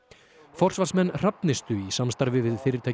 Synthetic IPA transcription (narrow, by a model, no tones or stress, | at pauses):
fɔr̥svarsmɛnːr̥apnɪst̪ʏisamst̪aɾvɪvɪðfɪːɾɪɾt̪ʰaj